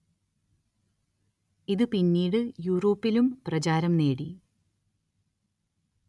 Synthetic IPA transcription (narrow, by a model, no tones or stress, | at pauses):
iðɨpinːiːɽɨjuːro̞ːpːilumprɐt͡ɕaːɾɐmne̞ːɽi